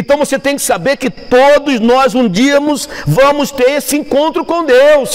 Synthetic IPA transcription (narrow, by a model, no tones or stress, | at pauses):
ẽnt̪ɐ̃w̃voset̪ẽj̃kɪ̥sabeɾkɪt̪od̪ʊznɔzũd͡ʒiɐmʊsvɐ̃mʊst̪eɾesɪẽŋkõnt̪ɾʊkõd̪ews